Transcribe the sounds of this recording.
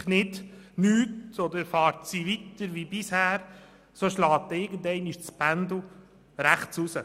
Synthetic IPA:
nɪdnyːtʰɔd̪əɾfɑːɾtsiʋit̪əɾʋibɪshæːɾ | soʃlɑːt̪̚ɪɡənd̪ɛɪniʃt͡spænd̪l̩ | ɾæχt͡susə

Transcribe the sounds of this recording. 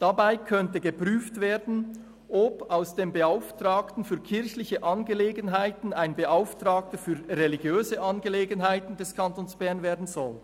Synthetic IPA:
d̥abaɪkʰœntəɡəpʁ̥yːftv̥eːɐdn̩ | ʔɔpaʊsd̥eːmbəaʊftraːktn̩fyːɐkʰɪɾçlɪçəʔɑnɡəleːɡənɦaɪtn̩aɪnbəʔaʊftʁɑːk̚təfyːɐreliɡjøːzəʔɑnɡəleːɡənɦaɪtn̩dɛskʰɑntoːnsb̥ɛɐnveːɐdn̩zɔl

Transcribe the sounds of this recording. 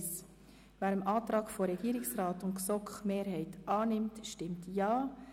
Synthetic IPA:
s | væːɾəmʔɑːtɾɑːɡ̥foɾɛɡ̥iːɾɪksɾɑːtʊntsɔkχmeːɾɦɛɪtʔɑːnɪmtʃtɪmtjɑː

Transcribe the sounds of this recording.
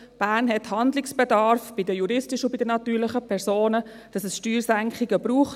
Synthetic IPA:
b̥æːrnɦɛthɑndlɪksb̥ɛdɑɾfb̥idəjuɾɪstɪʃʊbid̥ənɑt̪yːɾlɪχəpʰɛɾsoːnə | d̥ɑsɛsʃtyːɾsæŋkχiɡəbɾuːχt

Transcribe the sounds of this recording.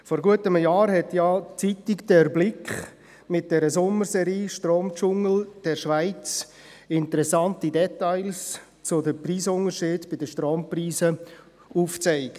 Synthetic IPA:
fɔɾɡuətəməjaːɾhɛtjat͡sitɪkd̥ɛɾblɪkχ | mɪt̚d̥ɛɾəsʊməɾsɛɾiːʃtɾoːmt͡ʃʊŋl̩d̥ɛɾʃvaɪt͡s | ɪntəɾɛsɑntidɛtaɪls | t͡sʊdəpriːsʊnəɾʃɪːdb̥ɪdəʃtɾoːmpriːsə | uft͡saɪk

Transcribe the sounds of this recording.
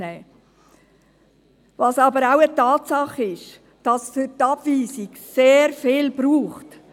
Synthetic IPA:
ɛː | vɑsɑːbəɾaʊətɑːtsɑχɪʃ | d̥ɑsfʏtɑb̥viːsɪɡ | seːɾfɪːlb̥ɾuːχt

